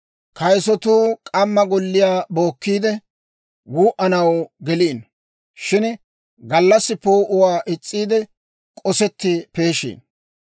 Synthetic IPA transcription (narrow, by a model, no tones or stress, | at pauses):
kɐjsɔt̪uːkʼɐmːɐɡɔlːɪjaːbo̞ːkːiːd̪ɛ | wuːʔɐnɐwɡɛliːn | ʃɪn | ɡɐlːɐsːɪpoːʔʊwaːʔɪt͡sʼːiːd̪ɛ | kʼɔsɛt̪ːɪpe̞ːʃḭːn